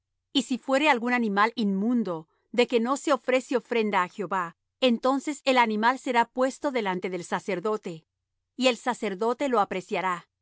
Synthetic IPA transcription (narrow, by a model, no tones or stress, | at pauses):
isifwe̞ɾe̞alɣunanĩmalinmũnd̪o̞ | ðe̞ke̞no̞se̞o̞fɾe̞seo̞fɾe̞nd̪aːxjo̞βa | ent̪o̞nse̞selanĩmalse̞ɾapwe̞st̪o̞ðe̞lant̪e̞ðe̞lsase̞ɾðo̞t̪e̞ | ie̞lsase̞ɾðo̞t̪e̞lo̞apɾe̞sjaɾa